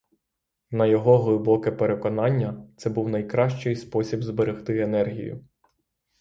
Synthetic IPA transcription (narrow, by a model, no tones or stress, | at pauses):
nɐjɔɦɔɦlˠɪbɔkɪpeɾe̞kɔnɑnʲːɐt̪sɛbuwnɐjkɾɑʃt͡ʃɪjspɔsʲibzbeɾɪxt̪ɪenɛrɦʲḭjʊ̰